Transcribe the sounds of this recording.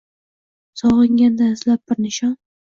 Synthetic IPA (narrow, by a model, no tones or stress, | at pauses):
sɒʁɪŋɡʲand̪anɪzlap̚ːɪɾnɪʃɒn